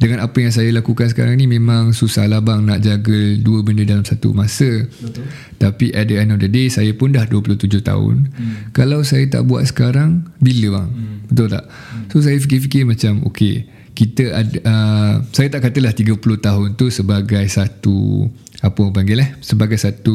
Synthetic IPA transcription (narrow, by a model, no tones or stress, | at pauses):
dəŋãnapəjaŋs̬ajəlakukans̬ə̥ka̰ɾaŋnĩmẽmãŋsusa̰hlabaŋna̰ʔd͡ʒaɡəduəbəndədalamsat̪ṵmãsə | t̪apiʔaʔ̚dəɛndɔfdədesajəpʊndahduəpulʊht̪ud͡ʒʊht̪a̰ʊ̰nkalawsajət̪a̰ʔbua̰t̪̚sə̥kaɾaŋbiləba̰ŋb̥ət̪ʊlt̪a̰ʔ | sos̬ajəfikifikɪrmãt͡ʃamo̰kḛ | kit̪əʔaʔəsajət̪aʔkat̪əlaht̪iɡəpulʊht̪aɦʊnt̪usəbaɡajsat̪ṵ | apəmə̃ŋpaŋɡɪlɛhsəbaɡajsat̪u